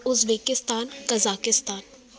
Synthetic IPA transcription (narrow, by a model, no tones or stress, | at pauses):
ʊzbeːkɪst̪aːnkɐzaːkɪst̪aːn